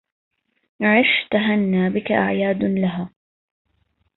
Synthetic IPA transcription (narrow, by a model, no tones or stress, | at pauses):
ʕɪʃt̪aɦanːaːbɪkaʔa̰ʕjaːd̪laɦaː